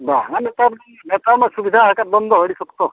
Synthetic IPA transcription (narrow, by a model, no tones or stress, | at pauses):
baŋanet̪ab | net̪amasubid̪ʱaɦakat̪̚bɔnd̪ʱɔɦoɽisɔkt̪ɔ